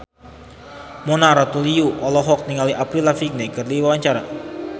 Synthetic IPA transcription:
monaɾɔt̪uliuʔɔlɔɦɔk̚niŋaliʔapɾilafik̚nekərliwawaɲt͡ʃaɾa

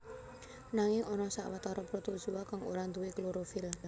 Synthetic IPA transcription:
naŋɪŋɔnɔsa̰ʔwat̪aɾɔpɾot̪od͡ʒuwakaŋo̰ɾand̪uwekloɾofɪl

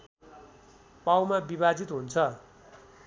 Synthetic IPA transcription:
pawmabiβad͡zit̪ɦunt͡sʰʌ

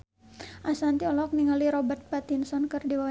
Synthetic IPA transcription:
ʔasant̪iɔlɔk̚niŋaliɾɔbərt̪̚pat̪insɔnkɨrdiwa

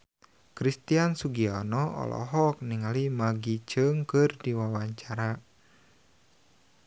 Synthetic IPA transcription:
kɾist̪iansuɡianɔɔ̰lʔɔ̰ɦɔk̚niŋalimaɡit͡ʃəŋkɨrdiwawaɲt͡ʃaɾa

